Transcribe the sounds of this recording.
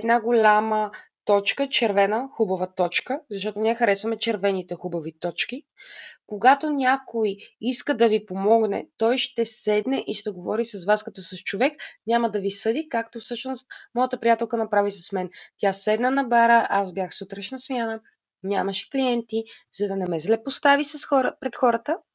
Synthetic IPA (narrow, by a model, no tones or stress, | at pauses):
ɛd̪naɡolʲamət̪ɔt͡ʃkət͡ʃɛɾvɛnəxubɐvət̪ɔt͡ʃkəzɐʃ̬t̪ɔt̪ʊniɛxɐɾɛsvɐmɛt͡ʃɛɾvɛnit̪ɛxubɐvit̪ɔt͡ʃkikoɡat̪onʲakojiskəd̪ɐvipomɔɡnɛ̰t̪ɔjʃt̪ɛsɛd̪nɛʔiʃt̪ɛɡovɔɾisɐzvaskɐt̪ɔsɐʃt͡ʃovɛknʲaməd̪ɐvisɤd̪ikak̚t̪ofsɤʃnost̪̚mɔjət̪əpɾijat̪ɛlˠkənɐpɾavisɐsmɛnt̪ʲasɛd̪nənɐbaɾəʔazbʲjaxsut̪ɾəʃnɐsmianə | nʲaməʃɛ̥kliɛnt̪izɐd̪ɐnɛmɛzlɛpost̪avisɐsxɔɾəpɾɛt̪xɔɾət̪ə